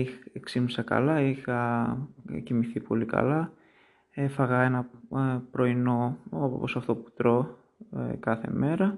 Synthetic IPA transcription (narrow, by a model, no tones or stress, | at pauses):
ieksinusɐkɐ̰lɐixɐ | cimiθipo̞̰likɐ̰lɐ | efɐɣɐe̞nɐpɾo̞ino̞oppo̞sɐft̪o̞pu̥t̪ɾo̞ | kɐθe̞̰me̞ɾɐ